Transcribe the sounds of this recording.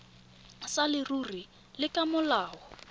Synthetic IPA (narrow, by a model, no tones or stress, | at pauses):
salɪruri | lɪkʼamʊlaːɔ